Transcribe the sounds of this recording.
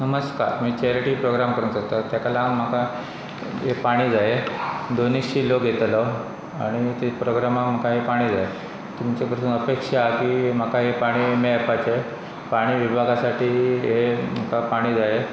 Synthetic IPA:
nəməska̰ɾmiːt͡ɕeɾeʈiːpɾoɡɾamkəɾuːnsək̚t̪ət̪jakalaŋm̤aka | ɦepaɽ̃iːd͡zaed̪onikɕiːloɡʱet̪lə | a̰ɽ̃it̪epɾoɡɾamakm̤akaɦepaɽ̃iːd͡zae | t̪umt͡ɕekəɾt̪uːnəpekʂakiːm̤əkaɦepaɽ̃iːmeapat͡ɕe | paɽ̃iːʋibʱaɡasaʈʰiːɦem̤akapaɽ̃iːd͡zae

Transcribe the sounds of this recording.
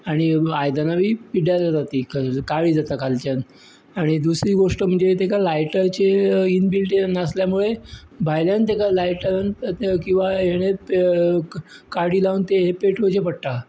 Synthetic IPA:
aɽ̃iajd̪anabʱiːpiɽjalad͡zat̪iːkkaɭiːd͡zat̪akalt͡ɕjan | aɽ̃id̪usɾiːɡoʂʈəm̤əɳd͡zet̪ekalajʈəɾt͡ɕeinbilʈenəsljamuɭe | bʱajljant̪ekalajʈəɾankĩw̃ʋaɦeɽ̃ep | kaɾɽiːlaʋənt̪eɦepeʈʰʋod͡ʑepəɽʈ̪a

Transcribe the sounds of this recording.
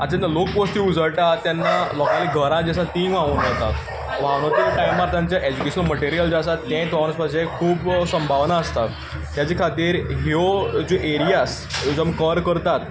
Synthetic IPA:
at͡ɕãnt̪alok̚posʈ̪iːud͡zʱəɭʈat̪ːjanːalɔkaliːɡʱəɾãd͡ʑesãt̪ĩŋɡʋãʋunat̪a̰t̪ | ʋañot̪iʈajmːaɾt̪ʰãɲt͡ɕjaʔed͡ʑukeɕənməʈiɾijəld͡ʑasat̪ːɛ̃t̪ɔʋɾə̃spad͡ʑekʰuːpsəmbʱaʋnaːst̪at̪ː | jat͡ɕekʰat̪iːɾɦeod͡ʑoʔeɾijas | d͡ʑəməkəɾkəɾt̪at̪

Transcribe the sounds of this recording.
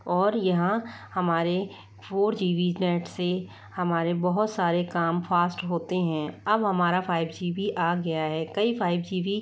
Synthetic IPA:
ɔːɾjɐɦãhɐmaːɾe | pʰoːɾd͡ʒiːʋiːznɛːʈse | hɐmaːɾebɐɦʊt̪saːɾekaːmfʰaːsʈɦoːt̪eɦɛ̃ːɐbɦɐmaːɾapʰaːɪbd͡ʒiːbiʔaːɡɐjaɦɛːkɐipʰaːɪbd͡ʒiːʋi

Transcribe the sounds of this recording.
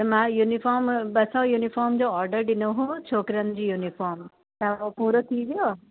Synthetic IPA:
t̪ɐmãjunɪfɔːɾmbɐsãjuːnifʰɔːɾmd͡ʑoɔːɾɖəɾɖɪnoɦũt͡ɕʰoːkɾənd͡ʑiːjunifʰɔːɾm | t̪ãopuːɾot̪ʰiʋijo

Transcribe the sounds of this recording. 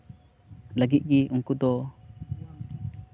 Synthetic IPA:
laɡiʔ̪̚ˀɡiʔuŋkud̪ɔ

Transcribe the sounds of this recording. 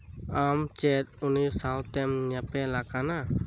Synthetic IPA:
amt͡ʃɛt̪̚unisawt̪ːɛmɲapɛlakana

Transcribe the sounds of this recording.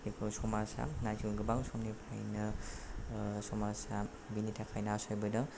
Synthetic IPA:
ikʰɔsɔmasa̰najzuɡɯbaŋsɔmnipʰa̰jnɯ | sɔmasa | binitʰakʰajnasɔjbɯdɯ

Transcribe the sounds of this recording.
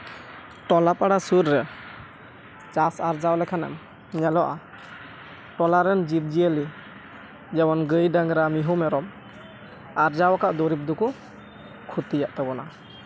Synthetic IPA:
ʈɔlapaɽasuɾːɛ | t͡ʃasaɾd͡ʒawlɛkʰanɛ̰m | ɲalɔʔa | ʈɔlaɾɛnd͡ʒip̚d͡ʒiəli | d͡ʒɛwɔnɡɯjdaŋɾamiɦumɛɾɔm | aɾd͡ʒawakaʔd̪ɔɾip̚d̪uku | kʰut̪ijaʔt̪ɛbɔna

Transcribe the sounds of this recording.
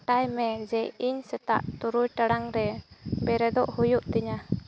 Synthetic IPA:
ʈajmɛd͡ʒɛiɲsɛt̪a̰ʔt̪uɾujʈaɽaŋɾɛbɛɾɛd̪ɔʔhujuʔt̪iɲa

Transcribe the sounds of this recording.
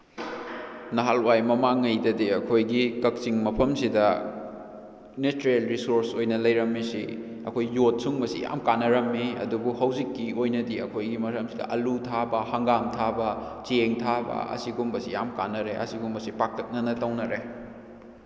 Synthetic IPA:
nɐɦalwajmɐmaŋːɐjdɐdiɐkʰojɡikɐk̚t͡ʃiŋmɐpʰɐmsidɐ | nestɾielɾisoɾsojnɐlɐjɾɐmːisḭ | ɐkʰojːot̚suŋmɐsḭja̰mkanːɐɾɐmːiɐ̰dubuhɐwzikːiojnɐdiɐkʰojɡimɐɾɐmsidɐ̰ʔɐlutʰabɐhɐŋɡamtʰabɐt͡ʃeŋtʰabɐ̰ɐ̰siɡumbɐsija̰mkanːɐɾeʔɐ̰siɡumbɐsipak̚lɐk̚nɐnɐtɐwnɐɾe

